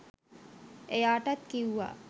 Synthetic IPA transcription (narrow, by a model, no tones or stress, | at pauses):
ejaːʈat̪kiwuʋa̰